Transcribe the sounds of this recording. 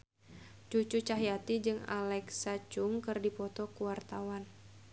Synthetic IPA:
t͡ʃut͡ʃut͡ʃaɦijat̪id͡ʒɨŋa̰lɛksat͡ʃʊŋkɨrdipɔt̪ɔkuwart̪awan

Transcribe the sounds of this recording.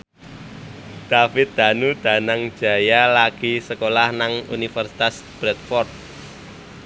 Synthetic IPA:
d̪̥afɪt̪̚d̪̥a̤nud̪̥ä̤naŋd̥d͡ʒ̥ä̤jalaɡ̥isəkolahnaŋṵnifərsi̥t̪as | b̥ɾɛt̪̚fɔrt̪̚

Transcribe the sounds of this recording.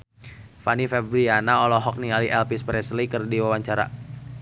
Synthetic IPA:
fanifɛbɾianaɔlɔɦɔk̚nialiʔɛlpispɾɛslikərdiwawaɲt͡ʃaɾa̰

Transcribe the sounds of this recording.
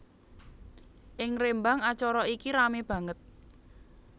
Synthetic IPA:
ʔɪŋrembaŋat͡ʃɔɾɔikiɾameb̥ä̤ŋət̪̚

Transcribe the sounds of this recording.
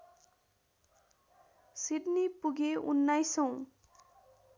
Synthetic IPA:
siɖnipuɡeunːajsʌw̃

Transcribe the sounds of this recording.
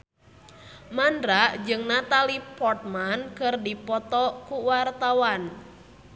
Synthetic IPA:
mandɾaʔd͡ʒɨŋnat̪alipɔrt̪̚mankɨrdipɔt̪ɔkuwart̪awan

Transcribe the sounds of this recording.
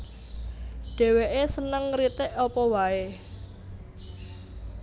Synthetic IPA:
ɖ̥ɛ̤weʔesənəŋrit̪ɪʔɔpɔwae

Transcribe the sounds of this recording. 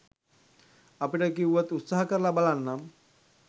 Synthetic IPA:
apiʈakiʋət̪ut̪saɦkəɾlabalanːam

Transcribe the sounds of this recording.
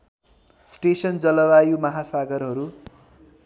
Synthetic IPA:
sʈesʌnd͡zʌlʌwajumʌɦasaɡʌrɦʌɾu

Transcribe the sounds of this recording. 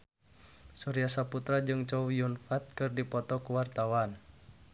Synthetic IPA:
suɾiasaput̪ɾad͡ʒɨŋt͡ʃɔwijunfat̪̚kɨrdipɔt̪ɔkuwart̪awan

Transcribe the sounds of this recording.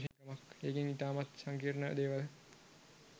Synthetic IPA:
ʃkɐmakeːkiŋit̪aːmat̪saŋkiːɾnə̰d̪eːʋal

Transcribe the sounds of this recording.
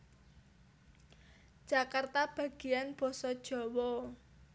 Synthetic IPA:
d̥ʒ̥akart̪ab̥a̤ɡ̥i̤janb̥ɔ̤sɔd̥ʒ̥ɔ̤wɔ

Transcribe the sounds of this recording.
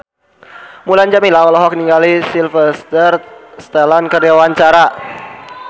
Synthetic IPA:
muland͡ʒamilaɔlɔɦɔk̚niŋɡalisilfəst̪ərst̪alankərdiawaɲt͡ʃaɾa

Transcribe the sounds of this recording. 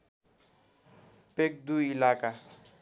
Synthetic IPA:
pek̚d̪uilaːka

